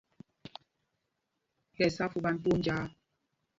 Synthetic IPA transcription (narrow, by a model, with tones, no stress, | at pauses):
lɛ˨sa˦fu˦ɓa˦n˦pu˦n˦d͡ʒaː˦